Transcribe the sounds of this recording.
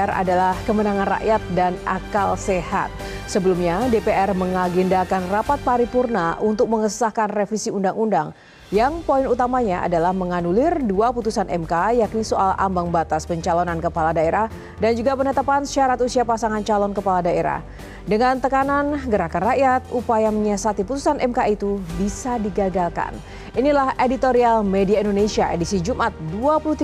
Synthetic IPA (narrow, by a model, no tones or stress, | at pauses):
ɛra̰dalahkəmənaŋanra̰ʔjat̪̚danʔa̰kalseha̰t̪̚ | səbəlumɲadepeɛrməŋaɡindakanrapat̪̚paɾipurnaʔunt̪ʊk̚məŋəsə̥sahkanrefisiundaŋundaŋ | jaŋpoinut̪amaɲaʔa̰dalahməŋanulɪrduaput̪usanʔɛ̰mkajaknisoʔala̰mbaŋbat̪aspəɲt͡ʃalonankəpaladaeɾah | dand͡ʒuɡapənət̪apansiaɾat̪usiapasaŋant͡ʃalɔnkəpaladaeɾa̰h | dəŋant̪əkananɡəɾakanraʔjat̪̚upajaməɲasat̪iput̪usanʔɛmkait̪ubisadiɡaɡalka̰n | ʔinilahedit̪oɾialmediaindonesiaʔedisid͡ʒumʔat̪̚duapuluht̪i